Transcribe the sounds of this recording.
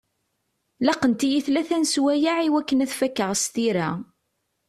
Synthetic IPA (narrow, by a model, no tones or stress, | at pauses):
lɑqːənt̪ijiθlæθænswæjaʕiwækːənæθfækːəʁst̪iɾæ